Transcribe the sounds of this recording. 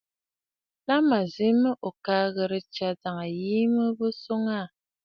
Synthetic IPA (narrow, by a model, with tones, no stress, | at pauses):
la˦ma˨zi˨˦mə˦ʔo˨kaː˦ɣə˨ɾə˦t͡ʃa˨da˨ŋa˨ji˦mə˦bo˦so˦ŋa˦˨